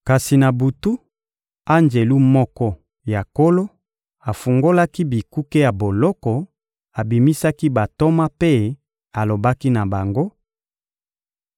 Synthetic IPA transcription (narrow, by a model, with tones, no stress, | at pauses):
ka˨si˨na˨bu˨tu˦ | a˦nd͡ʒe˨lu˦mɔ˦kɔ˦ | ja˨ko˦lo˦ | a˨fu˨ŋɡo˦la˦ki˦bi˨ku˦ke˦ja˨bo˨lɔ˦kɔ˨ | a˨bi˨mi˦sa˦ki˦ba˨to˦ma˦pe˦ | a˨lo˨ba˦ki˦na˨ba˨ŋɡo˦